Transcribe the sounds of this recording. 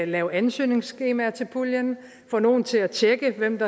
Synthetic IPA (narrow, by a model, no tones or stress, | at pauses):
lɛːʊænsø̰ːne̝ŋsɡ̥e̝ːmæɐt͡sʰe̝lpʰuljən | fɒ̽no̝ːn̩t͡sʰe̝læt͡ɕʰeɡ̥əʋem̰d̥ɑ̈